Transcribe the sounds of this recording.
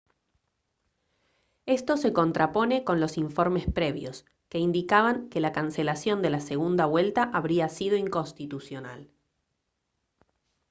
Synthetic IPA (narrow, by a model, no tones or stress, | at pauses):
e̞st̪o̞se̞ko̞nt̪ɾapo̞ne̞ko̞nlo̞siɱfo̞ɾme̞spɾe̞βjo̞s | ke̞ind̪ikaβaŋke̞lakanselasjo̞nd̪e̞lase̞ɣ̞und̪aβwe̞lt̪aʔaβɾiasið̞o̞iŋko̞nst̪it̪usjo̞na̰l